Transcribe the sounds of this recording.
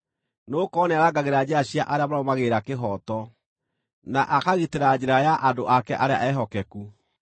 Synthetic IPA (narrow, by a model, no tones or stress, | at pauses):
noːkɔnɛaɾaɡaɣeɾad͡ʑeaɕjaʔaɾeamaɾɔmaɣeɾakeɦɔtɔ | naʔakaɣiteɾad͡ʑeɾajaʔadoʔakɛʔaɾea̰ʔɛɦɔkɛku